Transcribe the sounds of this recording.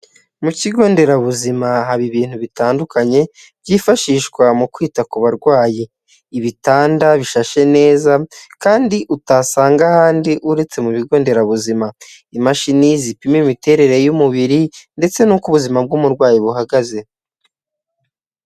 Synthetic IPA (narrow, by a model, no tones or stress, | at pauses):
muciɡo̞ːnde̞ɾaβuzimaɦaβiβiːn̥huβitaːndukaɲe̞ | bɟiːfaʃiːʃkwamukwiːtakuβaɾɡwaːji | iβitaːndaβiʃaʃe̞ne̞ːzakaːndiʔutasaːŋɡahaːndiʔuɾe̞t͡se̞muβiɡo̞ːnde̞ɾaβuzima | imaʃinizipimimite̞ɾe̞ɾe̞jumuβiɾinde̞t͡se̞nukuβuzimab̚ɡumuɾɡwaːjiβuɦaɡaze̞